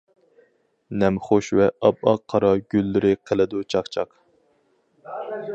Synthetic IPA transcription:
nɛmχoʃwɛʔɑpɑqʰːɑɾɑɡʲylːɪɾɪqʰəlˠɨd̪ut͡ʃʰɑχt͡ʃʰɑq

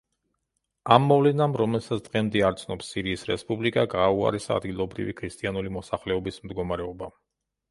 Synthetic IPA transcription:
amːɔvlɛnamɾɔmɛlsat̪sʰd̪̥ʁɛmd̪iaɾt̪sʰnɔpsːiɾiːsɾɛspʼublikʼaɡaːua̰ɾɛsaa̰d̪ɡilˠɔbɾḭvikʰɾist̪ʼianulimɔsaχlɛɔbismd̪ɡɔmaɾɛɔba

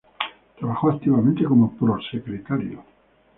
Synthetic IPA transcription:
t̪ɾaβaxoakt̪iβamẽnt̪ekomopɾoɾsekɾet̪aɾjo̰

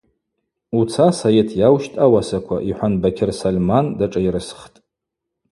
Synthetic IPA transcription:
ut͡sʰasojetʰjawʃtʼawasakʷʰa̰ʔiħʷanbakʲʰɪrsalmandaʈ͡ʂʼajɾɨsχtʼ

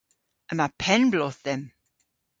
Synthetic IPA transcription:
əmapʰɛnblɔθðɛm

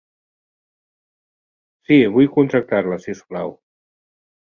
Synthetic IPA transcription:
siβujkunt̪ɾak̚t̪aɾlasisklaw

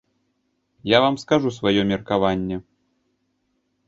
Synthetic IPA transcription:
javamskaʐusvajɔmʲɛrkavanʲːɛ

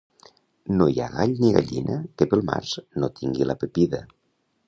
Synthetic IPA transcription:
nojaɣaʎniɣa̰ʎinʔəkəpəlˠma̰ɾznot̪ʰiŋɡiləpepiðə

